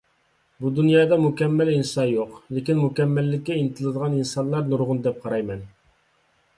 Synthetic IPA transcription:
bud̪unjɑːd̪ɑmukʲɛmːælinsɑjoqlɪkʲinmukʲɛmːælːɪkʲːɛinɨt̪ʰɨlˠɨd̪əʁɑninsɑnlˠɑɾnuɾʁʊnd̪ɛp̚qʰɑɾɑjmɛn

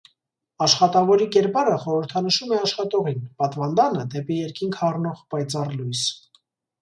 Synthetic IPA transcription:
ɑʃχɑt̪ɑvɔɾikɛɾpɑɾəχɔɾəɾt̪ʰɑnəʃumɛɑʃχɑt̪ɔʁinpɑt̪vɑnd̪ɑnəd̪ɛpijɛɾkiŋkʰhɑrnɔʁpɑjt͡sɑrlujs

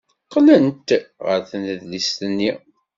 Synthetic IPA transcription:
qːlənt̪ʁə̰ɾθənəðlist̪ənːi

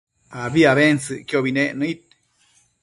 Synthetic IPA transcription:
aβiaβensɨʔkjoβineʔnɨ̃it̪̚

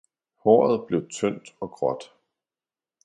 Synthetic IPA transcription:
hɒ̰ːð̞̩ˠb̥le̝ʊt͡sʰœn̰d̥ɒ̽ɡ̥ʁɒ̽d̥

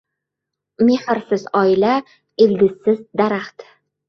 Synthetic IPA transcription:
me̞hɨɾsɪzɒɪla | ɪld̪ʲɪsːɪzd̪aɾaχt̪

